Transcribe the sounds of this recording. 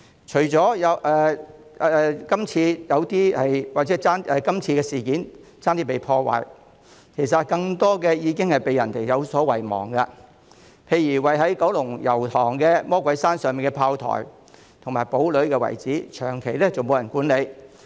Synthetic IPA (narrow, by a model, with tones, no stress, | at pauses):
t͡ʃʰɵ˨˩ɥt͡sɔː˨˥jɐ˨˧wʔɛː˧˨˧ | kɐ˥mt͡sʰiː˧jɐ˨˧wt̪iː˥hɐ˨jwaː˨t̚t͡sɛ˨˥t͡saː˥nʔɛː˨˧kɐ˥mt͡sʰiː˧kɛː˧siː˨˩kiː˨˥n | t͡saː˥nt̪iː˥pe˨jpʰɔː˧wa̰ː˨j | kʰe˨˩jsɐ˨t̚kɐ˧ŋt̪ɔː˥kɛː˧jiː˨˧kɪ˥ŋhɐ˨jpe˨jɐ˨˩nt̪e˨jjɐ˨˧wsɔː˨˥wɐ˨˩jmɔ̰ː˨˩ŋkɐ˧ | pʰe˧jɥyː˨˩wɐ˨jɦɐ˨˥jkɐ˨˥wlʊ˨˩ŋjɐ˨˩wt̪ʰɔː˨˩ŋkɛː˧mɔː˥kʷwɐ˨˥jsaː˥nsœː˨ŋmiː˨˩nkɛ˧pʰaː˧wt̪ʰɔ̰ː˨˩j | t̪ʰʊ˨˩ŋmaː˨˩jpo˨˥wlɵ˨˥ɥkɛː˧wɐ̰˨˩jt͡siː˨˥t͡ʃʰœ̰ː˨˩ŋkʰe˨˩jlɛ˥t͡so˨wmo˨˧wjɐ˨˩nkuː˨˥nle˨˧j